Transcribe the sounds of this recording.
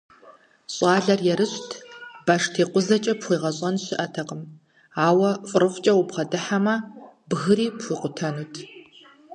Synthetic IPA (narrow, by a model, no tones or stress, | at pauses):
ɕʼɑːɮɐrjɛɾɨɕtʰb̥aʂtʰeːqʷʼʊzɐt͡ʃʼɐpχʷiːʁɐɕʼɐnɕɪʔɐtʰɐqʼəm | aːwɐfʼʊrɨχʷt͡ʃʼɐwʊbʁɐdɨħamɐbɣɨɾiːpxʷʊqʷʊtʰɐnuːtʰ